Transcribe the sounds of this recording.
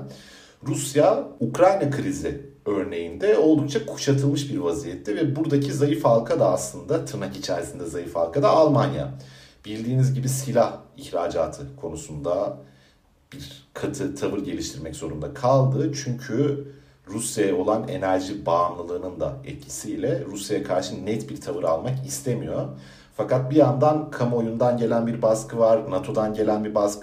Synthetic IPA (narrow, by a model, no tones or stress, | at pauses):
ɾusjaukɾajnakʰɯɾiziø̞ɾne̞jind̪ɛo̞lˠd̪uk̚t͡ʃʰakʰu̥ʃat̪ʰɯlˠmɯʃbiɾvazijɛt̪ʰːɛvɛbuɾd̪acʰizajɯfhalˠkʰad̪aːslˠɯnd̪at̪ʰɯɾnakit͡ʃʰæɾsind̪ɛzajɯfha̰lˠkad̪aːlˠmanja̰ | b̥ilʲd̪iːnizɟibisilʲahiçɾaːd͡ʒaːt̪ʰɯkʰo̞nusund̪a | b̥iɾkʰat̪ʰɯt̪ʰavɯɾɟe̞lʲiʃt̪ʰiɾmɛcz̥o̞ɾund̪akʰalˠd̪ɯt͡ʃʰyɲcʰy | ɾusjajɛo̞lˠane̞̰næɾʒibaːmlˠɯlˠɯːnɯnd̪a̰ɛ̰t̪̚cʰi̥sijlʲɛɾusjajakʰaɾʃɯnɛt̪biɾt̪ʰavɯɾalˠmakist̪ʰe̞mijo̞ | fakat̪̚bijand̪ankʰamo̞jund̪anɟe̞lʲænbiɾbaskʰɯvaɾnat̪ʰo̞d̪anɟe̞lʲænbiɾbaskɯ